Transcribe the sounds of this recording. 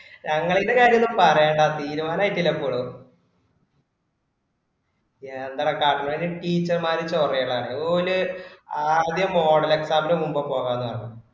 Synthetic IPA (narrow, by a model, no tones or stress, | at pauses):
ɲɐŋːɐɭidekaːɾjɐnːumpɐrɐjaːɳɖat̪iːɾumaːlaːjiʈːilːɐpːoːɭ | end̪ɐɽekːaːʈːɐninɨʈiːt͡ɕːɐrmaːɾit͡ɕːɐurɐjɐɭɐɐːɳɨoluaːd̪jɐmːo̞ːɽɐle̞ksaːmbɐlumumbɐpo̞ːɣaːnːɐʋɐnːɐ̰